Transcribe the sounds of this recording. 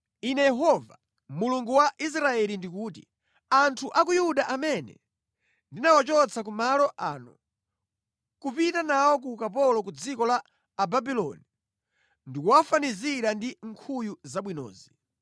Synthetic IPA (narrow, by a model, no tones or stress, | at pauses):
inɛjɛɦɔva | muluŋɡuwaʔis̬ɾaɛlindikuːt̬ḭ | antʰuʔak̬ujuɗaʔamɛnɛ̰ | ndinawat͡ʃɔt͡sʰak̬umalɔʔa̰ːnṵ | kupitanawɔk̬ukapɔlɔkud͡zikɔlaː | babilɔ̰ni | ndikuwafaniziɾandiŋkʰujuzaɓwinɔ̰ːzi